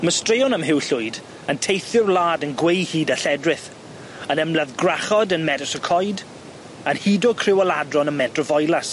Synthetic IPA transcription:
məstreːɔnəmɦɪwɬʊjd | əntʰejθɪrlˠaːdənɡwejhiːdaɬɛdrɪθ | ənɛmlˠaðɡraχɔdənmɛdəsəkʰɔjd | ənhiːdɔkʰrɪwɔladrɔnənmɛtrɔvɔjlˠas

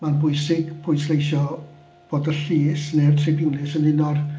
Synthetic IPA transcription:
manbʊjsɪɡpʰʊjslˠejʃɔ | b̥oːdəɬiːsnertʰrɪbɪnlɪsənɪnɔr

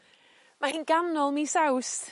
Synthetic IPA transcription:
mahinɡanɔlˠmisaws

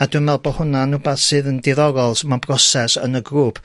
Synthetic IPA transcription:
adumɛlˠbɔhʊnanubaθsɨːðəndɪðɔɾɔlˠsmabrɔsɛsə̰nəɡɾuːpʰ

